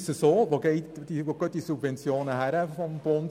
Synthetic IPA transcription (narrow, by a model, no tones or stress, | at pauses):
səsoːʋoɡeɪtd̥iʋokøt̚disubvɛnt͡sjoːnəhæɾəfɔmb̥ɔn